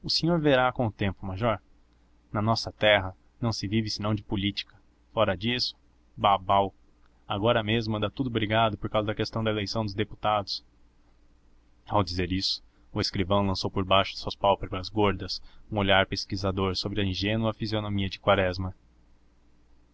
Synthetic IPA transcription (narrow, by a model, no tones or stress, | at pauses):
ʊsẽɲoɾveɾakõʊt̪ẽmpʊmaʒɔɾ | nɐnɔsɐt̪ɛɦɐ | nɐ̃w̃sɪvivɪsɪnɐ̃w̃d͡ʒɪpʊlit͡ʃi̥kɐ̥ | fɔɾɐd͡ʒisʊ̥ | babaw | aɡɔɾɐmezmɐd̪at̪ud̪ʊbɾiɡad̪ʊpoɾkawzɐd̪ɐkest̪ɐ̃w̃d̪ɐelejsɐ̃w̃d̪ʊzd̪epu̥t̪ad̪ʊs | awd͡ʒizeɾisʊ̥ | ʊeskɾivɐ̃w̃lɐ̃sowpoɾbajʃʊ̥suɐspawpebɾɐzɡoɾd̪ɐsũoʎaɾpeskizad̪oɾsobɾɪɐĩʒẽnuɐfizionõmiɐd͡ʒɪkwaɾɛzmɐ